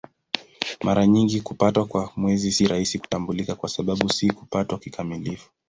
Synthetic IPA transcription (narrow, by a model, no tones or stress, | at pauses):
maɾaɲiŋɡikupatwakwamwɛzisiɾahisiku̥tambulikakwasaɓaɓusiku̥patwakikʰamilifu̥